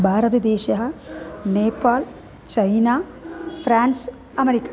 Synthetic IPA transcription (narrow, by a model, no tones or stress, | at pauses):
bʱaːɾɐt̪ɐd̪eːʃɐɦɐneːpːaːl | t͡ʃɐjnaː | fɾaːns | ɐmeɾikːḁ